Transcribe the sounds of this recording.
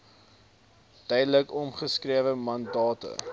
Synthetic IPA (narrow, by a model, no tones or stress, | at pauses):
tœjdələkɔmχəskriəvəmɐndɑːtə̰